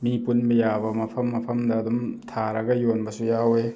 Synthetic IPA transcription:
mipunbɐjabɐmɐpʰɐmːɐpʰɐmdɐːdumtʰaɾɐɡɐjonbɐsujawe

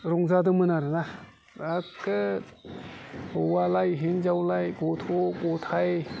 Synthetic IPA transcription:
ɾɔŋzadɯmɯnaɾɯna | akːɯ | owalajɦinzawlajkot̪ʰokot̪ʰaj

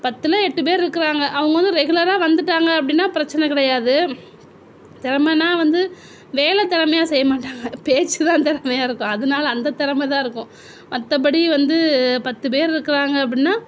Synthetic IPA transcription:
pɐt̪ːɯlɐɛʈːɯp̬eːɾɪɾɯkːɪɾaːŋɡɐʔɐʋɐŋɡɐʋɐnd̪ɯɾɛɣʊlɐɾaːʋɐnd̪ɯʈːaːŋɡɐːp̬ːɐɽɪnːaːpɪɾɐt͡ʃːɐnɛkɪɽɐjaːðɯ | t̪ɪɾɐmɐnaːʋɐnd̪ɯ | ʋeːlɛt̪ɪɾɐmɐjaːsɛjːɐmaːʈːaːŋɡɐpeːt͡ʃːɯt̪ãːt̪ɪɾɐmɐjaːɪɾɯkːʊ̃ɐðɐnaːlɐːnd̪ɐt̪ɪɾɐmɐt̪ãːɪɾɯkːʊ̃ | mɐt̪ːɐp̬ɐɽiʋɐnd̪ɯpɐt̪ːɯp̬eːɾɪɾɯkːɪɾaːŋɡɐːp̬ːɐɽɪnːaː

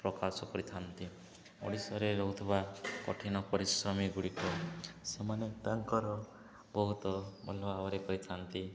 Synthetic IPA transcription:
pɾɔkasɔkɔɾit̪ʰant̪i | ɔ̰ɽisɔɾeɾɔɦut̪ʰubakɔ̰ʈʰinɔpɔɾisɾɔmiɡuɽikɔsemanet̪aŋkɔɾɔ | bɔɦut̪ɔmɔ̰lɔawɔɾekɔɾit̪ʰant̪i

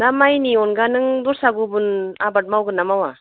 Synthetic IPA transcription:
damajniɔnɡanɯŋduɾsaɡubunabat̚mawɡɯnːamawa

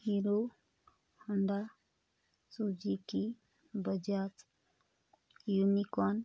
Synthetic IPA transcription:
hiɾo | həɳɖa | sud͡ʒiki | bəd͡ʒat̪ | junikɔn

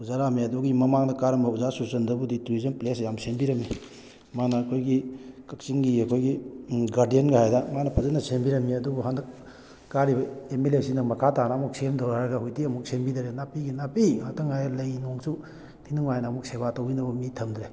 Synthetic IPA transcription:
uzaɾamiɐduɡimɐmaŋdɐkaɾɐmbɐuzasuɾsɐndɐbudituizɐnplesjamsembiɾɐmːi | manɐːkʰojɡikɐk̚t͡ʃiŋɡiɐkʰojɡiɡaɾdijenɡɐhajdɐmanɐpʰɐzɐnɐsembiɾɐmːiɐduɡuɦandɐk | kaɾibɐemelesindɐmɐkʰatanɐːmuk̚semdʱɐwɾaɾɐɡɐhujtiɐmuk̚sembidɐɾenapiɡinapihatɐŋhajɐlɐjnoŋsu | tʰinuŋajnɐːmuk̚sebatɐwinɐbɐmitʰɐmdɾe

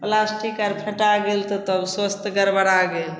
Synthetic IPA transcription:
plasʈikaɾpʰeʈaɡelt̪ɔt̪əbswəst̪ɡəɾbəɾaɡel

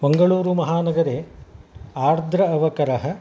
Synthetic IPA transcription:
bɐŋɡɐɭuːɾumɐɦaːnɐɡɐɾe | aːɾd̪ʱɾɐːʋɐkɐɾɐɦɐ̆

